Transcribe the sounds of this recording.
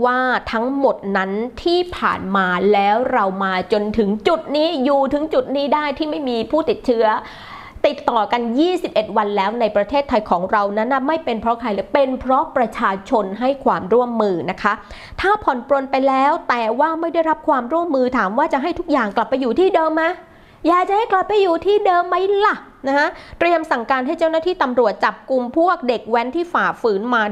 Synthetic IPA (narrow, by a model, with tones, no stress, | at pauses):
waː˥˩t̪ʰa˦˥ŋmo˨˩t̪̚na˦˥nt̪ʰiː˥˩pʰa̰ː˨˩nmaː˧lɛː˦˥wɾa˧wmaː˧t͡ɕo˧nt̪ʰɯ˩˦ŋt͡ɕu˨˩t̪̚niː˦˥juː˨˩t̪ʰɯ˨˩˦ŋt͡ɕu˨˩t̪̚niː˦˥daː˥˩jt̪ʰiː˥˩ma˥˩jmiː˧pʰuː˥˩t̪i˨˩t̪̚t͡ɕʰɯ˦˥ɐ | t̪i˨˩t̪ːɔː˨˩ka˧njiː˥˩si˨˩p̚ʔe˨˩t̪̚wa˧nlɛː˦˥wna˧jpɾa˧t̪ʰeː˥˩t̪ʰːa˧jkʰɔː˩˦ŋɾa˧wna˦˥nʔa˨˩ma˥˩jpe˧npʰɾɔ˦˥kʰa˧jlɯ˧˩˦pe˧npʰɾɔ˦˥pɾa˧t͡ɕʰaː˧t͡ɕʰo˧nɦa˥˩jkʰwaː˧mɾu˥˩əmːɯː˧na˦˥kʰa˦˥ | t̪ʰaː˥˩pʰɔ˨˩npɾu˧ənpa˧jlɛː˦˥wt̪ɛː˨˩waː˥˩ma˥˩jda˥˩jɾa˦˥p̚kʰwaː˧mɾu˥˩əmːɯː˧t̪ʰaː˩˦mwaː˥˩t͡ɕa˨˩ʔɦa˥˩jt̪ʰu˦˥k̚jaː˨˩ŋkla˨˩pːa˧jːuː˨˩t̪ʰiː˥˩dɤː˧mːa˦˥ | jaː˨˩k̚t͡ɕa˨ha˥˩jkla˨˩pːa˧jːuː˨˩t̪ʰiː˥˩dɤː˧mːa˦˥jla˨˩ | na˦˥kʰa˦˥t̪ɾi˧əmsa˨˩ŋkaː˧nɦa˥˩jt͡ɕa˥˩wna˥t̪ʰiː˥˩t̪a˧mɾu˨˩ət̪̚t͡ɕa˨˩p̚ku˧mpʰu˥˩ək̚de˨˩k̚wɛ˦˥nt̪ʰiː˥˩faː˨˩fɯː˩˦nmaː˧